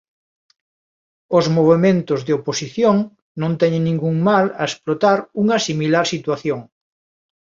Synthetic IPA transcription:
ozmoβ̞emẽnt̪ʊzðeoposiθjoŋ | nõnt̪ɛɲeŋnĩŋɡuŋmalɐesplot̪aɾuŋɐsimilaɾsit̪waθjoŋ

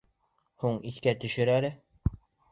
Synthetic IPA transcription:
huɴiθkæt̪ɵ̆ʃɘ̆ɾælɘ

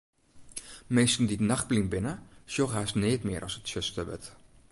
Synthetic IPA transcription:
mejstəndidnɑχ̚bliŋbɪnəʃjoχaːsneːtmɪːɾʔɑ̰sətsøstəʋə̰t

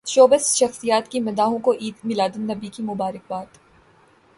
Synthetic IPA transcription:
ʃoːbəsʃɐxsijaːt̪kimɐd̪aːɦõkoʔiːd̪mɪlaːd̪ənːɐbikimʊbaːɾɪk̚baːt̪

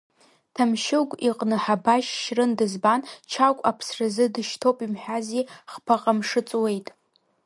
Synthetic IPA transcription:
tʰamʃɪɡʷʼiqʼnɨħabaʃʃrɨndɨzbant͡ʃʰakʷʼapʰsrazɨdɨʃtʰowpʼimħʷᶣaziχpʰaqʼamʂɨt͡sʼwe̞jtʼ

